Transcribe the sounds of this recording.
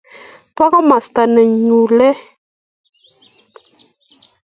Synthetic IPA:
pa˦ɣa˦ma˨st̪a˨nɛ˨ɲu˨lɛ˦

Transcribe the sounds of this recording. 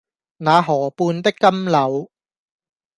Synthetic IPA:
naː˨˧ɦɔː˨˩puː˧nt̪ɪ˥kːɐ˥mlɐ˨˧w

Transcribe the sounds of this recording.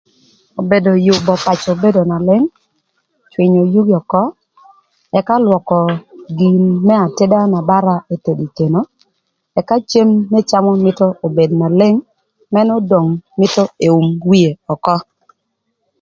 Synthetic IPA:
o˨be˨do˨jʊ˨bɔ˨pa˨t͡ʃo˨be˦do˨na˨lɪ˦ŋ | t͡ʃwɪ˨ɲo˨ju˦ɡɔ˨kɔ˦ | ɛ˨ka˦lwɔ˨kɔ˨ɡi˨nmɛ˦a˨te˦da˦na˨ba˦ɾa˦e˦te˨di˨ke˨no˦ | ɛ˨ka˦t͡ʃe˦mːɛ˦t͡ʃa˦mɔ˦mɪ˦tɔ˦o˨be˨dna˨lɪ˦ŋ | mɛ˦nɔ˦do˨ŋmɪ˦tɔ˦e˨u˨mwi˦e˨ɔ˨kɔ˦

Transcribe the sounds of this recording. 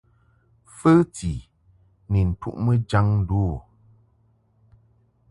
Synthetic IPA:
fə˦ti˨ | nə˨n̩˨tṵ˦ʔmə˦d͡ʒa˦ŋ̩˦du˦˨

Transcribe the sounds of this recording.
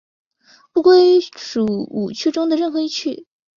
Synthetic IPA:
pu˥˧kwe˥˩ɪʂu˨˩ṵ˨˩t͡ɕʰy˥˧ʈ͡ʂʊ˥ŋd̪ə˨ɻə˥˩nxɤ˧˥i˥˧t͡ɕʰy˥˩

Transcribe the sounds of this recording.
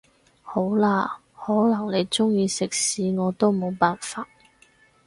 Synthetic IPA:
ho˨˥wlaː˧ | hɔː˨˥lɐ˨˩ŋle˨˧jt͡sʊ˥ŋjiː˨˧sɪ˨k̚siː˨˧ŋɔː˨˧t̪o˥wmo˨˧wpaː˨nfaː˧t̚

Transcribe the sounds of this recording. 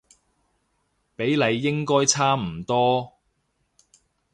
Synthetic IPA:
pe˨˥jle˨˧jːɪ˥ŋkɔː˥jt͡sʰaː˥m̩˨˩t̪ɔː˥

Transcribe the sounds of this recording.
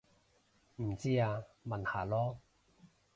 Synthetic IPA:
m̩˨˩t͡siː˦˥aː˧mɐ˨nhaː˨˩lɔː˦˥

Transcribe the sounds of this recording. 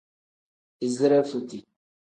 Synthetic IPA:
i˨zɾɛ˦fu˨ti˨

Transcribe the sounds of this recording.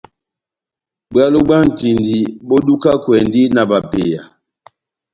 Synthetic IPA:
ba˦lo˦ɡ͡ba˦n̩˨ti˨ndi˨bɔ˦du˦ka˦kwɛ˨ndi˦na˨ba˨pe˨ja˨

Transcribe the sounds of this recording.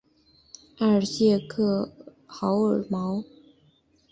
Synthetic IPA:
a˥˩ə˨˩ɕjɛ˥˧kʰɤ˥˩ | xɑ˧˥ʊə˨˩mɑ˧˥ʊ

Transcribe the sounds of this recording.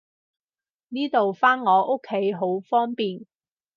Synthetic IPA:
niː˥t̪o˨wfaː˥nŋɔː˨˧ʔo˥kʰːe˨˥jɦo˨˥wfɔː˥ŋpiː˨˩n

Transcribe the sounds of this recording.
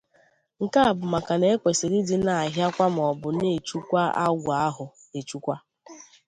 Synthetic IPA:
ŋ̩˨ka˦a˨bʊ˨ma˨ka˨ne˨˦e˦kʷe˨si˨ɾi˦di˦na˨a˨ɦja˦kʷa˦m̩˨ɔ˨bʊ˨ne˦˨t͡ʃu˦kʷa˦a̰˦ɡʷa˦ɦʊ˨ | e˨t͡ʃu˦kʷa˦

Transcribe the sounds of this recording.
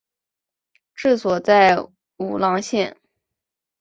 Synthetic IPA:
ʈ͡ʂɻ̩˥˩swɔ˨˩t͡sa˥˩ɪ | u˨˩lɑ˥˧ŋɕjɛ˥˩n

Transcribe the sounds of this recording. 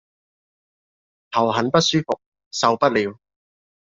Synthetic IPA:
t̪ʰɐ˨˩wɦɐ˨˥npɐ˥t̚syː˥fʊ˨k̚ | sɐ˧wpɐ˥t̚liː˨˧w

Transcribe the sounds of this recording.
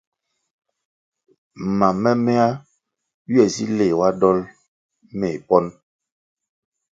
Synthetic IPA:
ma˨mɛ˦mɛ˦a˦ | ɥi˦ɛ˨si˦le˨wa˦dɔ˦l | me˨pɔ˦n

